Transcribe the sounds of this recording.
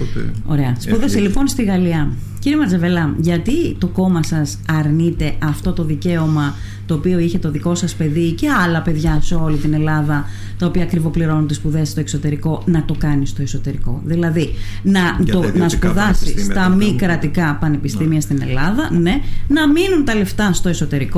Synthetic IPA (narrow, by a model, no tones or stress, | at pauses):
o̞̰ɾe̞ɐspuðeselipo̞nst̪iɣɐliɐ | ciɾiemɐd͡zevelɐʝɐt̪it̪o̞ko̞mɐsɐsɐɾnit̪e̞ʔɐft̪o̞t̪o̞ðice̞o̞mɐ | t̪o̞ːpio̞içe̞t̪o̞ðiko̞sɐspe̞ðice̞ɐlɐpe̞ðʝɐse̞o̞lit̪ine̞lɐðɐ | t̪ɐopiɐːkɾivo̞pliɾo̞nunt̪ispuðe̞st̪o̞e̞kso̞t̪e̞ɾiko̞nɐt̪o̞kɐnist̪o̞eso̞t̪e̞ɾiko̞̰ðilɐði | nɐt̪onɐspuðɐsist̪ɐmikɾɐt̪ikɐpɐne̞pist̪imiɐst̪ine̞̰lɐðɐne̞nɐminunt̪ɐle̞ft̪ɐst̪o̞eso̞t̪e̞ɾiko